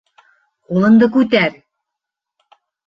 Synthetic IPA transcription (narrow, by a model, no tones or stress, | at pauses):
qulˠɤ̆nd̪ɤkʉt̪̬æɾ